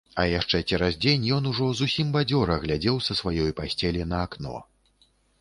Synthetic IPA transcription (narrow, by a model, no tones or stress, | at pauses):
ɐjaʂt͡ʂɛt͡sʲɛɾazd͡zʲenʲjɔnuʐɔzusʲimbad͡zʲɔɾɐɣlʲad͡zʲɛwsɐsvajɔjpasʲt͡sʲɛlʲinɐaknɔ̰